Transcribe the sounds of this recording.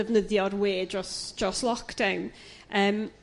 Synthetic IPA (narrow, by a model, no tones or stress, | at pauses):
əvnəðjɔrweːd͡ʒɔsd͡ʒɔslˠɔkd̥awn | əːm